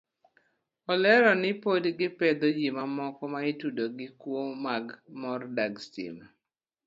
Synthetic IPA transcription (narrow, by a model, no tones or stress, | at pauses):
ɔlɛɾɔnɪpodɡɪped̪od͡ʒimamɔkɔmaɪtudoɡɪkwomaɡmɔrdaɡstḭm